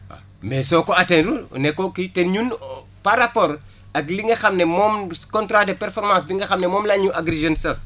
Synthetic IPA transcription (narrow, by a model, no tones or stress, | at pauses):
a̰ | mɛsɔːkɔatɛndunɛkːɔkitenɲun | paɾapɔːɾ | ɐk̬liŋɡɐxɐmnɛmɔːmkɔntɾadepɛɾfɔɾmãːsbiŋɡɐxɐmnɛmɔːmlaɲuʔaɡɾezɔnsɐs